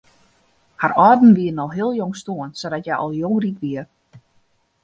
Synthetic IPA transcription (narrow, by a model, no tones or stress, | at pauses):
harɔːdn̩ʋiənɔlɦiəlˠjoŋstoənsodɔtjɛjʔɔ̰lˠjoŋrikʋiər